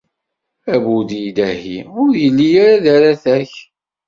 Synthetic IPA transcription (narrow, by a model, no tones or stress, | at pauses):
æbuðid̪æhḭʊɾjəlːijaɾaðaɾaθæç